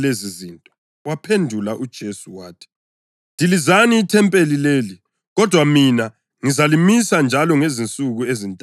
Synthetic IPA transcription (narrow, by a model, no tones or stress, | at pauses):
lezizintʼɔ | wapʰendʱulaʔud̥ʒ̥ʱesuwaːtʰi̥ | ndʱilizaniːtʰɛmpʼelileːli | ɣɔd̥ʱwamina | ŋizalimisand͡ʒʱalɔŋezint͡sʼuɣuezintʼ